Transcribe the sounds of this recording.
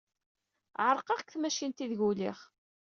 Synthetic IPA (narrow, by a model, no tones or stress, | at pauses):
ʕəɾˤqɑʁkθmæʃint̪iðʝuliχ